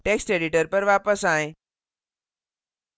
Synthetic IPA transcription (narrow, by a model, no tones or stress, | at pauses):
ʈeksʈeɽiʈəɾpəɾʋapəsãj